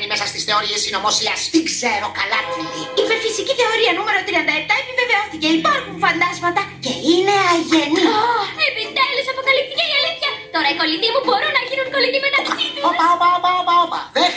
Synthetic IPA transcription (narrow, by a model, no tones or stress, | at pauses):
nimesɐst̪isθe̞o̞ɾiesino̞mosiɐst̪ikseɾo̞kɐlɐt̪iliipeɾfisiciθe̞o̞ɾiɐnume̞ɾo̞t̪ɾiɐnd̪ɐe̞p̚t̪ɐepive̞veo̞θice̞ipɐɾkumfɐnd̪ɐzmɐt̪ɐce̞ine̞ɐʝe̞niepid̪elisɐpokɐlip̚θiceiɐliθçɐt̪o̞ɾɐiko̞linimubo̞ɾunɐʝinuŋko̞linimenɐiioɐomɐomɐomɐomɐ̰ðe